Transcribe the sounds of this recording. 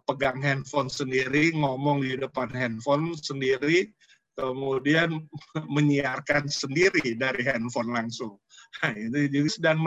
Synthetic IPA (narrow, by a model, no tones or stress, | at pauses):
pəɡaŋɦɛnfɔnsəndiɾiŋomɔŋdidəpanhɛnfɔnsəndiɾi | kəmudianməɲiarkansəndiɾidaɾiɦɛnfɔnlaŋsʊŋ | ait̪ud͡ʒuɡasdaŋm